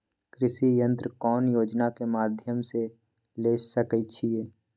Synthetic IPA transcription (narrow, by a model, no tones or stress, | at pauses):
kɾɪʃijə̃nt̪ɾəkɔːnjoːd͡ʒnakemaːd̪ʱjəmse | leːsəkət͡ʃʰieː